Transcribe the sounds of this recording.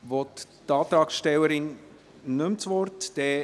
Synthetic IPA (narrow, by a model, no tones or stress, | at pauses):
vɔt̪tɑːt̪ɾɑːksʃtɛwəɾɪn | nɵmt͡sʋɔrtd̥ɛː